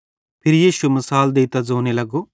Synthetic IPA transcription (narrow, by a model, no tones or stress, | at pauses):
pʰiɾjiʃumisaːld̪iːt̪ɐd͡ʒoːnilɐɡ̬u